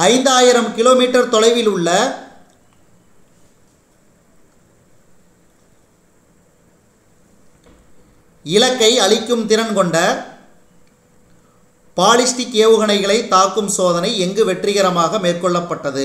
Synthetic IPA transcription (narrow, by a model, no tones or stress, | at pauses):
ɐɪnd̪aːjɪɾɐmkɪloːmiːʈːɐɾt̪ɔlɐɪʋɪlʊɭːɐ | ɪlɐkːɐɪɐlɪkːɯmt̪ɪɾɐnkɔɳɖɐ | paːlɪsʈɪkɪjɐʋɯɣɐɳɐɪɣɐɭɐɪt̪ːaːkːɯmsoːðɐnɐɪɛŋɡɯʋɛʈrɪɣɐɾɐmaːɣɐmeːrkɔɭːɐpːɐʈːɐðɯ